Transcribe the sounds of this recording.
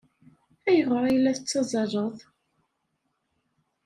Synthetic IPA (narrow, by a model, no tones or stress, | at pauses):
æjəʁəɾˤajlːæθət͡sːɑzˤɑʒˤəðˤ